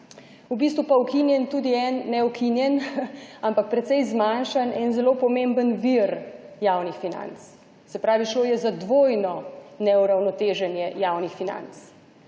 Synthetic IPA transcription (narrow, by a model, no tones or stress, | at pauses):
ubist̪ʋupaukinjɛnt̪uːd̪iɛnːɛukʰinjɛnampak̚pɾɛt̪sɛjzmanʃanʔɛnzɛloːpɔmembənʋiɾjaːwnixfina̰nt̪s | sɛpɾaːʋiʃloːjɛzad̪ʋoːjnɔnɛuɾawnɔt̪eːʒɛnjɛjaːwnixfina̰nt̪s